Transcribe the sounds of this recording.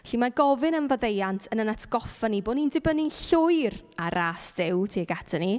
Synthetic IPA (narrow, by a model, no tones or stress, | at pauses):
ɬimaɡɔvɨnənvəðejantʰənənatʰɡ̥ɔfaniboːnindɪbənɪnɬʊjraɾʔasðɪwtʰiːɡatʰani